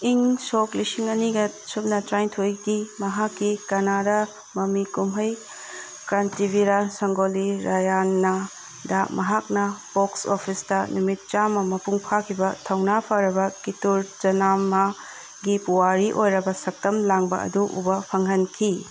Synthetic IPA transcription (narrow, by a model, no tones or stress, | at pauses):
iŋsoklisiŋɐniɡɐsup̚nɐtɾajtʰojɡimɐɦakːikɐnaɾɐ | mɐmikumɦɐj | kɾantibiɾansɐŋɡoliɾajanːɐ | damɐɦak̚nɐpoksopʰistɐnumit̚t͡ʃamɐmɐpuŋpʰakʰibɐtʰɐwnapʰaɾɐbɐkituɾd͡ʒɐnamɐ | ɡipuwaɾiʔojɾɐbɐsɐk̚tɐmlaŋbɐ̰ʔɐ̰duʔṵbɐpʰɐŋɦɐnkʰi